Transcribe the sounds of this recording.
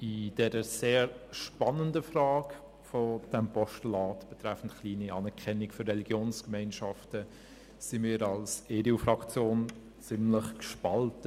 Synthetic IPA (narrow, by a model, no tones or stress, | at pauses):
id̥ɛɾəseːɾʃpɑnəndəfraːk | fɔd̥ɛmpɔʃtlɑːtb̥ɛtɾæfn̩tχliːniɑːnɛɾkʰɛnikførːɛliɡ̥joːnskmɛɪnʃɑftə | simiːɾɑlseːdiufrɑkt͡sjoːn | t͡sɪmləχkʃpɑltə